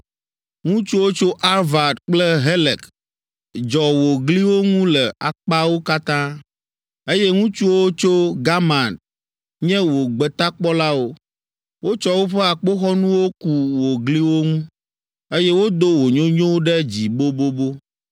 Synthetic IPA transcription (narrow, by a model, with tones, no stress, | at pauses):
ŋũ˦t͡ʃu˦wo˦t͡ʃo˦ʔa˦ɾva˨d̪k͡plɛ˦ɦe˦lɛ˨k | d͡ʒɔ˨wo˨ɡli˦wo˦ŋũ˦lɛ˨a̰˨k͡pa˦wo˦ka˦t̪ã˦ | e˦jɛ˦ŋũ˦t͡ʃu˦wo˦t͡ʃo˦ɡa˦mã˨nt | ɲɛ̃˦wo˨ɡ͡bɛ˨t̪a˦k͡pɔ˦la˦wo˦ | wo˦t͡ʃɔ˦wo˦ɸɛ˦a˨k͡po˦xɔ˦nũ˦wo˦ku˦wo˨ɡli˦wo˦ŋũ˦ | e˦jɛ˦wo˦d̪o˦wo˨ɲõ˦ɲõ˦ɖɛ˦d͡ʑi˨bo˦bo˦bo˦